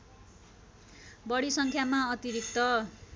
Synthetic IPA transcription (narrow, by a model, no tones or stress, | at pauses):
bʌɽisʌŋkʰjamaʌt̪iɾik̚t̪ʌ